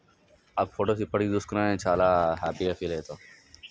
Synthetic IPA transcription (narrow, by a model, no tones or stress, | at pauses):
ɐbfoːʈoːsipɐɽ̤id̪ʊskɾãːẽt͡ʃʰaːlaːɦɛːpieːfileːt̪oː